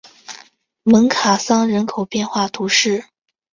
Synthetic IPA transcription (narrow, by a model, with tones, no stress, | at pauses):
mə˧˥ŋkʰa˨˩sɑ˥ŋɻə˧˥nkʰo˨˩ʊpjɛ˥˧nxwa˥˩t̪ʰu˧˥ʂɻ̩˥˩